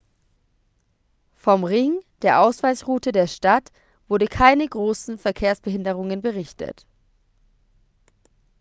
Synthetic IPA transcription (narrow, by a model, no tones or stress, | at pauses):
fɔmʁɪŋd̥eːɐʔaʊsv̥aɪsʁuːtədeːɐʃtat | v̥ʊɐdəkʰaɪnəɡʁoːsn̩fɛɐkʰeːɐsb̥əhɪndəʁ̞ʊŋənbəʁɪçtə̰t